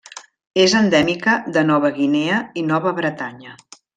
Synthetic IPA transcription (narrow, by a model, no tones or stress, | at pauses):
ezənd̪ɛmikəðənɔβ̞əɣineəinɔβəβɾət̪aɲə